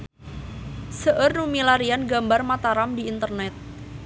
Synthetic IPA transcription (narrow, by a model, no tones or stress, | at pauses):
səʔərnumilaɾianɡambarmat̪aɾamdiːnt̪ərnɛt̪̚